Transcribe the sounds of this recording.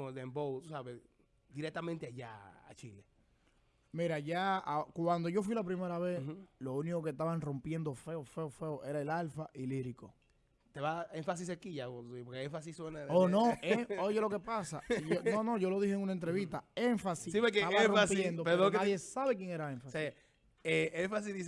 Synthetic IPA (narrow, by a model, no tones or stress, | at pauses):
od̪embowt̪usaβes | d̪iɾek̚t̪amẽnt̪eaʝa̰a̰t͡ʃile | miɾaʝaakwand̪o̞ʝo̞f̬wilap̬ɾime̞ɾaβe̞slo̞uniko̞k̬est̪aβaŋro̞mpje̞nd̪o̞fe̞ofe̞ofe̞oʔe̞ɾae̞lalfaʔiliɾiko | t̪eβaeɱfas̬is̬ekiʝapoɾkeẽɱfas̬isswenaðonoeojelo̞ke̞pasa̰ononõ̞ʝo̞lo̞ðiheŋunaent̪ɾe̞βit̪aeɱfasissiβekeaβaroapjend̪opeðeaððjesaβe̞kje̞ŋe̞ɾaeɱfase | eeɱfas̬iðis